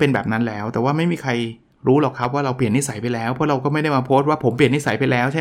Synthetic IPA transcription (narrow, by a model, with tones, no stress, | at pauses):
pe˧nbɛː˨˩p̚na˦˥nlɛː˦˥wt̪ɛː˨˩waː˥˩ma˥˩jmiː˧˩kʰa˧j | ɾuː˦˥lɔː˨˩kʰːa˦˥p̚waː˥˩ɾa˧wpli˨˩nːi˦˥sa˩˦jpa˧jlɛː˦˥wpʰɔ˦˥ɾa˧wkɔː˥˩ma˥˩jda˥˩jmaː˧pʰo˦˥st̪̚waː˥˩pʰo˩˦mpli˨˩əni˦˥sa˩˦jpa˧jlɛː˦˥wt͡ɕʰa˥˩